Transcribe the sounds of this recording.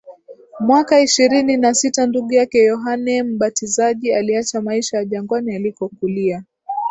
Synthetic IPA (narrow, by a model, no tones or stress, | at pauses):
mwakaiʃiɾininasitanduɠujakɛjɔɦanɛm̩ɓatizaʄialiat͡ʃamaiʃajaʄaŋɡwanialikɔkulia